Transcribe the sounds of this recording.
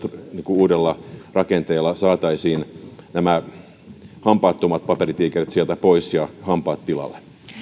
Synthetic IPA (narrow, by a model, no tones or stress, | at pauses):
t̪niːŋkuuːdelːɑrɑkent̪eːlːɑsɑːt̪ɑisiːnnæmæ | hɑmpɑːt̪ːomɑt̪̚pɑperit̪iːkerit̪sielt̪æpoisjɑhɑmpɑːt̪tilɑ̰lːe̥